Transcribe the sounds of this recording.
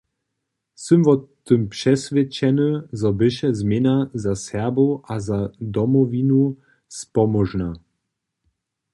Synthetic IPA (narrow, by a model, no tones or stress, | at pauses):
sɨmvɔt̪ɨmpʂɛsvʲjɛt͡ɕɛnəzɔbɘʃɛzmʲjɛnazasɛboʔazad̪ɔmɔvinu | spɔmɔʒna